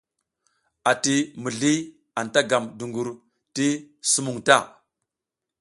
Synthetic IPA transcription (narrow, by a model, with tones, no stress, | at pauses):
a˨ti˨mu˨ɮi˦ | a˨nta˦ɡa˨mdu˨ŋɡu˨ɾ | ti˦su˦mu˨ŋta˦˨